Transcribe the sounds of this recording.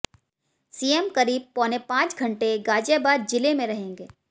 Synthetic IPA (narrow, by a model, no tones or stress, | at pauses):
siːemkɐɾiːb̚pɔːnepãːt͡ʃɡʱɐ̃ɳʈeɡaːd͡ʒebaːd͡ʒɪlemẽɾɐɦẽːŋɡeː